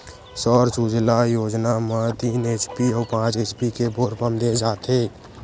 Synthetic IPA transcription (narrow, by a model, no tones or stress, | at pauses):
sɔːɾsud͡ʒlajoːd͡ʒnamãt̪iːneːt͡ʃpiɔːpãːt͡ʃeːt͡ʃpikebʱoːɾpəmd̪ed͡ʒaːt̪ʰeː